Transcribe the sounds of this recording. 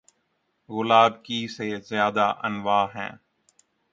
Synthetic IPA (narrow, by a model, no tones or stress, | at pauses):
ɣʊlaːbkiːseːzɪjaːd̪aːʔənʋaːɦɛ̰̃ː